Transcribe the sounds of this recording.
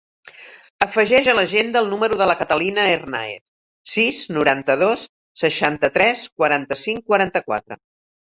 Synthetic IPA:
əfəʒɛʒələʒend̪əːlˠnuməɾuðələkət̪əlinəerna̰ḛt̪ | siznuɾant̪əðosː | əʃant̪ət̪ɾɛskwəɾant̪əsiŋkwəɾant̪əkwa̰t̪ɾə̰

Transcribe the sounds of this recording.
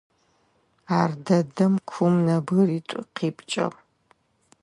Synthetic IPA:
aːrdɐdɐmkʷʰumnɐbɨriːtʷʼʊqʰiːpʰʼt͡ʃʼɐ̰ʁ

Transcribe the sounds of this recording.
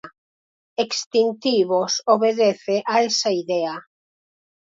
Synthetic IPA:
ekst̪int̪iβosoβeðeθeʔaesaiðɛa

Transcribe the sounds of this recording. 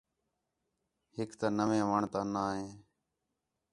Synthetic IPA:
hɪkt̪aːnəʋẽːʋaːɳt̪ãːnaːɦẽː

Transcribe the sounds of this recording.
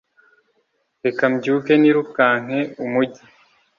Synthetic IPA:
ekamɟuːkeniɾukaːŋ̥eumuɟi

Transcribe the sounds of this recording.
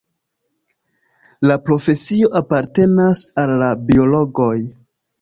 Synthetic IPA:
lapɾo̞fe̞sio̞ʔapaɾte̞nasalːabio̞lo̞ɡo̞j

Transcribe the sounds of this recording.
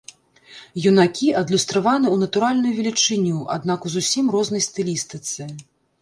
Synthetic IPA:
junakʲiɐd̪lʲust̪ɾavanɨunɐt̪uɾalʲnujuvʲɛlʲit͡ʂɨnʲuʔa̰d̪nakuzusʲimrɔznɐjst̪ɨlʲist̪ɨt̪sɨ

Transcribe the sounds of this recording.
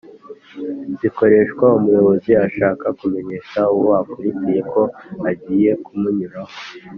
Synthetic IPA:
ziko̞ɾe̞ʃkwaumujo̞βo̞ziaʃaːkakume̞ɲe̞kauwoakuɾicije̞ko̞aɟije̞kumuɲuɾaho

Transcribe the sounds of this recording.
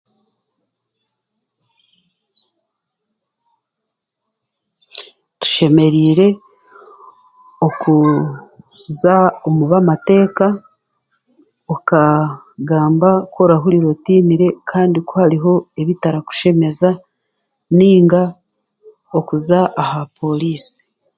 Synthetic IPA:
tu̥ʃe̞me̞ɾiːɾe̞ | oku | zaomuβamate̞ːka | oka | ɡaːmbakwo̞ɾaɦuɾiɾotiːniɾe̞kʰaːndikohaɾiɦo̞eβitaɾaku̥ʃe̞me̞za | niːŋɡa | okuzaʔahapʰo̞liːsi̥

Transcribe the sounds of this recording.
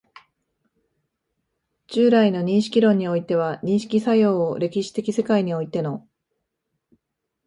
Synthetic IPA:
t͡ɕɨːɾaino̞ɲ̟ĩɰ̃ɕi̥kʲiɾõ̞ɲ̟ːio̞it̪e̞β̞aɲ̟ĩɕi̥kʲisajo̞ːɾe̞kʲiɕi̥t̪e̞kʲise̞kaiɲ̟io̞it̪e̞no̞

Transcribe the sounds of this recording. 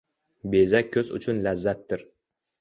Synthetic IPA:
be̞zak̚ʲʰːɵzʊ̰t͡ʃʰʊnlazːat̪ːɪɾ

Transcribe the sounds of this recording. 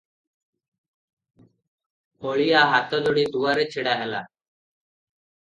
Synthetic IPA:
oːɭiːaːɦaːt̪oːloːɽiːd̪uːəɾet͡ʃʰɪɽaːɦela̰ː

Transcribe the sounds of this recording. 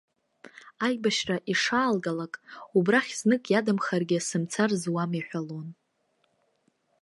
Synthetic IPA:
ajbaʃraʔiʂaːlɡalakʼubraχʲznɨkʼjadamχarɡʲɪsɨmt͡sʰarzwamiħʷᶣalon

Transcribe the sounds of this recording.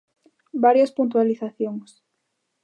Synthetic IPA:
baɾjaspunt̪̬waliθaθjoŋs

